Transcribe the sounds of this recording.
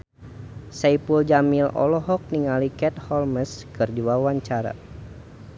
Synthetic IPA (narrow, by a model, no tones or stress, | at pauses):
saipuld͡ʒamilɔ̰lɔɦɔk̚niŋalikɛt̪hɔlməskɨrd͡ʒuawaɲt͡ʃaɾa̰